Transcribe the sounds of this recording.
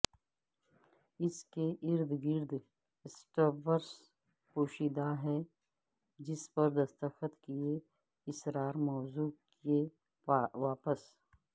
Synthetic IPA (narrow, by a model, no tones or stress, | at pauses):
ɪskeʔɪɾd̪ɡɪɾd̪ | ɪsʈəɾbəɾs | puːʃiːd̪aɦɛː | d͡ʒɪspɐɾd̪ɐst̪əxət̪kie | ɪsɾaːɾmɔːzuːke | ʋaːpəs